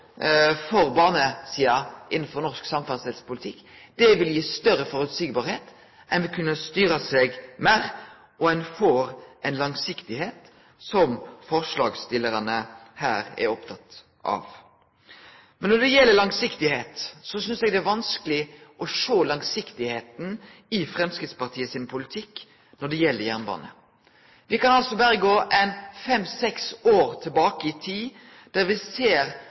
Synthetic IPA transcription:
fɔɾbɑːnəsiːɑʔɪnːn̩fɔɾnɔɾsksɑmfɑnst̪ɪlspʊlɪt̪ʰɪkːd̪ɛʋɪljiːst̪œɾːəfɔɾʉt̪siːɡ̚bɑːɾheːt̪ | ʔɛnʋɪkʰʉnːəst̪yːɾəsɛɡmæːɾ | ɔɛnfoːɾʔɛnlɑŋsɪkt̪ɪheːt̪ | sɔmfɔɾʂlɑːɡst̪ɪlːəɾɑnəhæːɾɛ̰ɾɔpt̪ʰɑt̪ | ʔɑ̰ʋ | mɛnɔɖ̪ɛjɛlːəɾlɑŋsɪkt̪ɪheːt̪sɔsʏnsɛɡd̪ɛæʋɑnskəlɪʔɔʂoːlɑŋsɪkt̪ɪheːt̪n̩ɪfʁɛmskɾɪt̪spɑʁt̪ʰiːəsɪnpʰʊlɪt̪ʰɪkː | nɔɖɛjɛlːəɾjæʁnbɑ̰ːnə̰ | ʋɪkɑnɑlsɔbæːɾəɡoːʔɛɪnfɛmːsɛksoːɾt̪ʰɪlbɑːkəɪt̪ʰiː | d̪̥æʁʋɪseːɾ

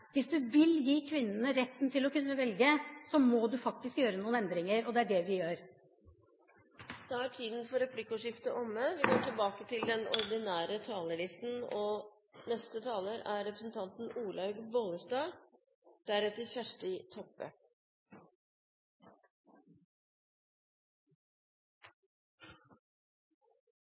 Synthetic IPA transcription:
ʋɪsd̪ʉʋɪljiːkʰʋɪnːənəɾɛt̪ːnt̪ʰɪlɔkʉnːəʋɛlɡəsɔmɔd̪ʉfɑk̚t̪ɪskjøːɾənuːnɛnd̪ɾɪŋəɾɔd̪ɛæɖɛʋɪjøːɾ | d̥̪ɛæʈʰiːd̪n̩fɔɾɛpʰlɪkːʊʂɪft̪əʔɔmːəʋɪkʰɔmʈʰɪlbɑːkət̪ʰɪld̪ɛnɔ̰ɾd̪ɪnæːɾət̪ʰɑːləɭɪst̪n̩ɔ | nɛst̪ət̪ʰɑːləɾæɾɾɛpɾəsn̩t̪ʰɑnt̪n̩uːlɑʉɡbɔləst̪ɑːɡ | d̪̥æɾɛt̪ːəçæʂʈɪt̪ʰɔpːə̰

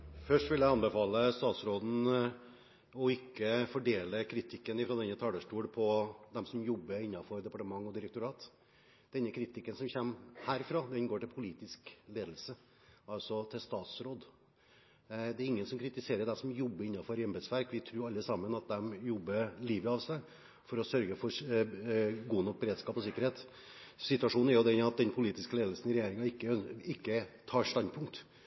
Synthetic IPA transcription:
fœʂʈʋɪljæɪɑnbəfɑːləst̪ɑːt̪sɾoːd̪n̩ | ɔɪkːəfɔɖeːləkʰɾɪt̪ʰɪkːənɪfɾɑd̪ɛnːət̪ʰɑːd̪əʂʈuːɽpʰɔd̪ɛmsɔmjɔbːəɾɪnːɑfɔɾd̪ɛpɑʈəmɑŋːɔd̪ɪɾəkt̪ʊɾɑːt̪ | d̪̥ɛnːəkʰɾɪt̪ʰɪkːənsɔmçɛmhæːɾfɾɑːd̪ɛnɡoːʈɪlpʰʊliːt̪ɪskleːd̪l̩sə | ɑlsɔt̪ʰɪlst̪ɑːt̪sɾoːd̪ | d̪ɛæɾɪŋːənsɔmkʰɾɪt̪ɪseːɾəɖɛsɔmjɔbːəɾɪnːɑfɔɾɪɑmbɛd̪sʋæɾkʋɪt̪ʰɾʉːɾɑlːəsɑmːənɑt̪̚d̪ɛmjɔbːəliːʋəɑʋsæɪ | fɔɾɔsœɾɡəfɔ | ɡuːnɔk̚ːbəɾeːd̪skɑːpɔsɪkːəɾheːt̪ | sɪt̪ʉɑʂuːnæɾjʊd̪ɛnɑt̪̚d̪ɛnpʰʊliːt̪ɪskəleːd̪l̩sənɪɾɛjeːɾɪŋɑɪkːəɪkːət̪ʰɑːɾʂt̪ɑnpʰʊŋk̚t̪

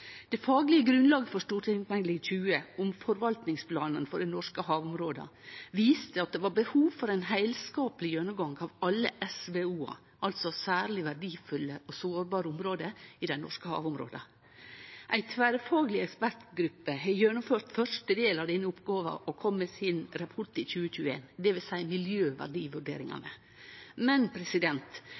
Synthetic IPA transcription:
d̪̥ɛfɑːɡəlɪəɡɾʉnlɑːɡəfɔʂt̪uːɾʈʰɪmʋɛŋlɪçʉːəʊmfɔɾʋɑlt̪nɪŋspʰlɑːnənfɔɖɛnɔʂkəhɑːʋʊmɾoːd̪ɑ̰ʋiːst̪əɑt̪̚d̪ɛʋɑːɾbəhuːʋfɔɾæɪnɦæɪlskɑːpəlɪjœnʊmɡɑŋɡɑʋɑlːəʔɛsʋeuːɑ̰ | ʔɑlt̪sɔsæːɾɭɪʋæɖiːfʉlːəɔsoːɾbɑːɾəʊmɾoːd̪əɪd̪ɛnɔʂkəhɑ̰ːʋʊmɾo̰ːd̪ə | ʔæɪt̪ʰʋæːɾəfɑːɡəlɪɛkspæɾʈ̪ɡɾʉpːəɦɛjɛnʊmføːt̪fœʂʈəd̪eːlɑʋd̪ɛnːəʊpɡɑːʋɑ̰ʔɔkʰɔmːɛːsɪnɾɑpʰɔʈɪçʉːəçʉːəḛːnd̪ɛʋɪlsæɪmɪljøːʋæ̰ɖiːʋʉɖḛːɾɪŋɑ̰nə̰ | mɛnpʰɾɛsɪd̪ɛnt̪

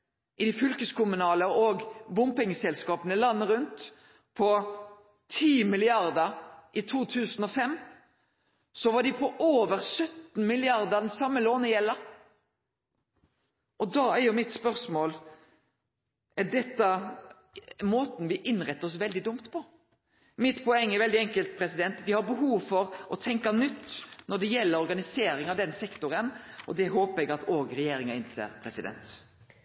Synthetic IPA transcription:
ʔɪd̪ɪfʏlkəskʊmʉnɑːləɔɡbʊmpɪŋːəsɛlskɑːpənəlɑnːəɾʉnt̪ | pʰɔ | t̪ʰiːmɪlɪɑʁd̪əʔɪt̪ʰuːt̪ʰʉːsn̩ɔfɛmː | sɔʋɑɖɪpʰɔʔoːʋəɾsœt̪n̩mɪlɪɑʁd̪əd̪ɛnsɑmːəloːnəjɛlːə | ʔɔd̪ɑːæɾjʊmɪt̪spœʁsmoːl | ʔɛɖɛt̪ːɑ | moːt̪n̩ʋɪʔɪnːɾɛt̪ːɔs̬ʋɛld̪ɪd̪ʊmt̪pʰɔ | mɪt̪pʰɔɛŋːɛɾʋɛld̪ɪɛŋkəlt̪̚pʰɾɛsɪd̪ɛnt̪ʋɪhɑɾbəɦuːʋfɔɾʔɔt̪ʰɛŋkɑnʏt̪ːnɔɖɛjɛlːəɾɔɾɡɑnɪseːɾɪŋɑʋd̪ɛnsɛkt̪ʊɾənʔɔd̪ɛɦoːpəɾɛɡɑt̪oːɡɾɛjeːɾɪŋɑɪnsʰḛːɾpʰɾɛsɪd̪ɛ̰nt̪

